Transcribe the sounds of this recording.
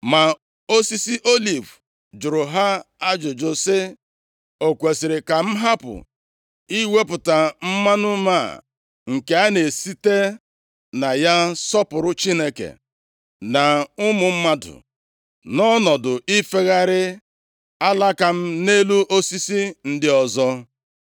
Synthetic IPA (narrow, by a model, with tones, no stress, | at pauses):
ma˨ | o˦si˦si˦ʔo˦li˨v | d͡ʒʊ˨ɾʊ˨ɦa˦a˦d͡ʒʊ˨d͡ʒʊ˨sɪ˦ | o˨kʷe˨si˨ɾɪ˨ka˨m̩˦ɦa˦pʊ̰˨ | i˦we˦pʊ˨ta˨m̩˦ma˦nʊ˦ma˦˨ | ŋ̩˨ke˦a˦ne˨si˦te˦ | na˨ja˦sɔ˦pʊ˨ɾʊ˦t͡ʃi˦ne˦kḛ˨ | na˨ʊ˦mʊ˨m̩˦ma˦dʊ̰˨ | nɔ˦nɔ˨dʊ˨ʔi˦fe˦ɣa˦ɾɪ˦ | a˦la˦ka˨m̩˦ne˦lu˦ʔo˦si˦si˦n̩˦dɪ˦ɔ˨zɔ˦